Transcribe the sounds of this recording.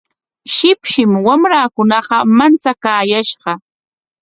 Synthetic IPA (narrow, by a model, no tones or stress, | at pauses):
ʃɪpʃɪmwamɾaːkʊnɑqɑmant͡sakaːjaʃɢɑ